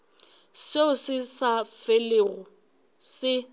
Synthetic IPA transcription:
seʊsɪsafeleɣʊ | sɪ

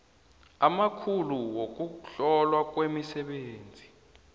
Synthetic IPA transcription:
amakʰuluwok̬uɬɔlwak̬wemisɛɓeːnd͡zʱi

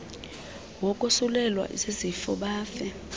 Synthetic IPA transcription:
wɔkʼusulɛlwa̰ʔḭzezifɔ̰ɓaːfɛ

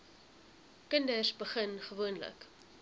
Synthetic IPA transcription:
kəndəsbəχənχəvuənlə̰k

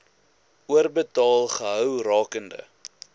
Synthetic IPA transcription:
uərbətɑːlˠχəɦœwrɑːkəndə̰

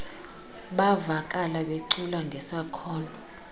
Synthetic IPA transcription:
ɓavakʼalaɓeǀulaŋɡʱɛsakʰɔːnʱɔ

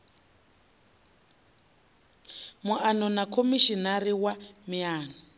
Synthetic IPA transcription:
muʔanɔnakʰomiʃinariwamiaːnɔ

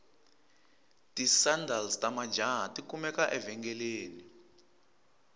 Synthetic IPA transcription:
tisandalstʼamad͡ʒaɦatʼikumɛkaʔɛvɛŋɡɛleːni

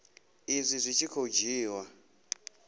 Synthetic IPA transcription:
izʷizʷit͡ʃʰikʰod͡ʒiːwa

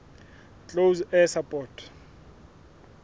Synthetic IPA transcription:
t͡ɬʼowzɛsapʼɔːtʰ

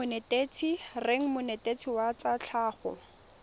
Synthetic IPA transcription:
ʊnetet͡sʰireŋ̩mʊnetʼet͡sʰiwat͡sat͡ɬʰaːχɔ̰

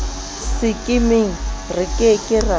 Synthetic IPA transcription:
sɪkʼɪmɪŋ̩rɪkʼekʼɪra

